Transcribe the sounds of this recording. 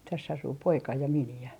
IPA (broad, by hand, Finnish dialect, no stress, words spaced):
tæsː ɑsuː poikɑ jɑ miniæ